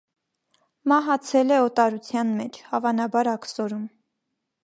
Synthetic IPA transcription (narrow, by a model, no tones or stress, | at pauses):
mɑɦɑt͡sʰɛlɛɔt̪ɑɾut͡sʰjɑnmɛt͡ʃʰhɑvɑnɑbɑɾɑksɔɾum